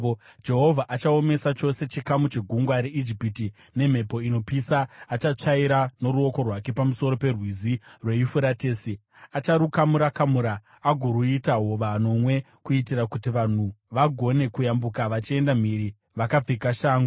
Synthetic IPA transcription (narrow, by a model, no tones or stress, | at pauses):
d͡ʒe̞ɦo̞vʱaʔat͡ʃao̞me̞sat͡ʃo̞se̞t͡ʃikamut͡ʃe̞ɡʱuŋɡwaɾe̞ʔid͡ʒipiti | ne̞m̤e̞po̞ino̞pisaːt͡ʃat͡ʂaiɾano̞ɾuo̞ko̞rwake̞pamuso̞ɾo̞pe̞rwizirwe̞jifuɾate̞ːsi | at͡ʃaɾukamuɾakamuɾaː | ɡʱoɾuitaɦo̞ʋano̞mwe̞ | kuitiɾakutiʋan̤uʋaɡʱo̞ne̞kujambukaʋat͡ʃie̞ndam̤iɾi | ʋakab͡vekaʃaːŋɡu